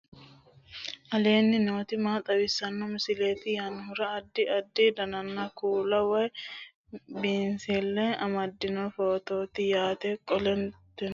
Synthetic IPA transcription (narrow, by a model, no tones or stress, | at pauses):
ʔɐle̞ːnːɪnoːt̪ɪmaːt̪ʼɐwɪsːɐnːɔmɪsɪleːt̪ɪjɐnɦʊɾɐːd̪ːɪʔɐd̪ːid̪ɐnɐnːɐkuːlɐwɐj | biːnselːɛɐmɐd̪ːɪnɔfo̞ːt̪o̞ːt̪ɪjaːt̪ɛkʼɔlɛnt̪ɛn